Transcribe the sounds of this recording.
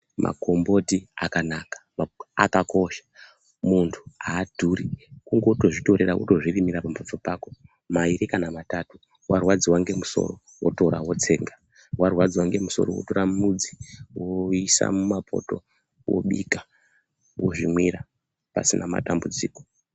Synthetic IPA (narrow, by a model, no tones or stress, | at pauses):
mʔa̰ko̞mbo̞tiakanaːkḁmakako̞ʃḁ | muntʰu̥aːdʱuɾikuŋɡouto̞ʐito̞ɾe̞ɾawo̰to̞ʐirimiɾapamofopaːko̞ | maiɾikanamatatu | warwad͡ziwaŋɡe̞muso̞̰ro̞ | wo̰to̞ɾawo̞t͡se̞ːŋɡa | warwad͡ziwaŋɡe̞muso̞ro̰woto̞ɾamud͡ziwoisa̰mumapʰo̞̰to̞̰ | wo̰ɓika | wo̞ʐimwiɾa | pa̰sinama̰tambud͡ziːko